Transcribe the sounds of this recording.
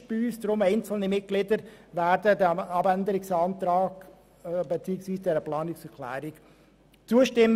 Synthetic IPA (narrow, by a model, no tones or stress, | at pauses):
b̥iyːsd̥ɾʊmeɪnt͡sl̩nimɪt̚ɡ̥lɪdəɾvæːɾdədæmɑbændəɾɪksɑːnt̪ɾɑːɡ̥ | bet͡siːəksʋiːsd̥ɛːɾəplɑːnɪksɛɾkʰlæ̰ːɾɪk | t͡suəʃtɪm